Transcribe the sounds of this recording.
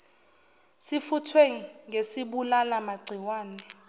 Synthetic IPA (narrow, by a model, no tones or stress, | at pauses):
sifutʰweŋ̩ŋesiɓulalamaɡ͡ǀʱiwaːnɛ